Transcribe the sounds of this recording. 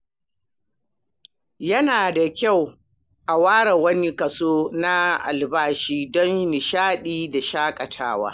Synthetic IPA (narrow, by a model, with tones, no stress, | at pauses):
jɐ˦naː˨da˨kʲa˦˨w | ʔa˨waː˦ɽa˨wɐ˦ni˦kɐ˨soː˦na˦ʔa̰˨lbaː˦ʃiː˦dɔ˦nni˨ʃaː˦ɗiː˦da˨ʃaː˦kʼɐ˨tʰa̰ː˦wa̰ː˦